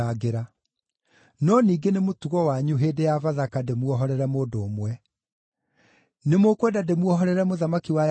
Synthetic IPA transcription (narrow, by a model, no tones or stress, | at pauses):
aɣeɾa | nɔniːɡenemotuɣɔwaɲuɦeːdejavaðakademuɔɦɔɾɛɾɛmoːdoːmwɛ | nemokwɛdademwɔɦɔɾɛɾɛmoðamakiwa